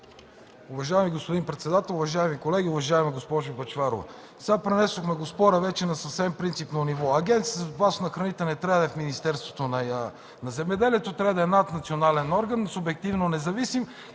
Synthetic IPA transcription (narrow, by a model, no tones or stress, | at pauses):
ʊvɐʒaɛmiɡospod̪inpɾɛt̪sɛd̪at̪ɛlˠʊvɐʒaɛmikolɛɡʲiʊvɐʒaɛmɛɡospɔʒobɐt͡ʃvaɾo̰və̰ | sɛapɾɛnɛsoxmɛɡospɔɾəvɛt͡ʃɛnɐsəfsɛmpɾint̪sipnonivɔɐɡʲɛnt̪sizpasnɐxɾɐnit̪ənɛt̪ɾad̪ɐɛfminist̪ɛɾst̪vot̪onɐ | nɐzɛmɛd̪ɛliɛt̪ot̪ɾavd̪ɐɛnat̪nɐt̪sionalɛnɔɾɡənːsʊbɛk̚t̪ivnonɛzɐvisim